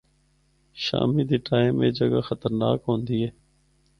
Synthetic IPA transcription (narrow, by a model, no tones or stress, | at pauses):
ʃa̰ːmiːd̪iːʈʰaːẽmːẽːd͡ʒəɡaːxət̪əɾna̰ːkɦõːnd̪iːɦɛː